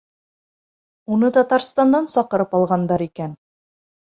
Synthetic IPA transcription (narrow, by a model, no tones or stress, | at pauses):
unɤt̪ɒt̪ɑɾst̪ɑnd̪ɑnsɑqɤ̆ɾɤpɑlˠʁɑnd̪ɑɾikæn